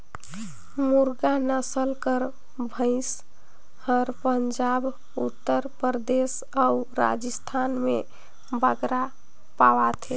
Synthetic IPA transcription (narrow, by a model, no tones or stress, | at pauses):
muɾɡanəsəlkəɾ | bʱə̃ɪs | həɾpəɲd͡ʒab | ut̪ːəɾpɾəd̪es | auɾa̰d͡ʒəst̪ʰanmḛ | bəɡɾa | pawat̪ʰe